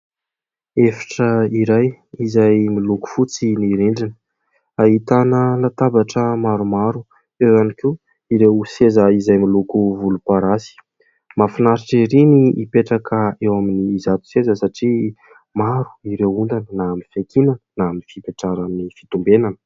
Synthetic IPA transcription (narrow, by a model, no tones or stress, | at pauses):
efḁʈ͡ʂəiɾajizajmiluku̥fut͡siniɾeɳɖ͡ʐinə̥ | aɦit̪anəlat̪abaʈ͡ʂəmaɾumaɾu | ewanike | iɾewsezəizajmilukuvulupaɾasi̥ | mafinaɾiʈ͡ʂeɾiniːpeʈ͡ʂakʰəewaminiːzat̪u̥sezəsaʈ͡ʂi | maɾu̥iɾewund̪anənaːminfet̪ʰinannaminifipeʈ͡ʂaɾaminifi̥t̪umbenanə̥